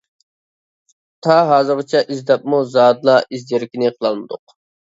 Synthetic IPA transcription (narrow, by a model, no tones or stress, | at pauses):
t̪ʰɑɦɑːzɨɾʁət͡ʃʰɛʔizd̪ɛpmuzɑːd̪lˠɑʔizdʲeɾɪkʲinɪqʰəlˠɑlˠmɨd̪ʊq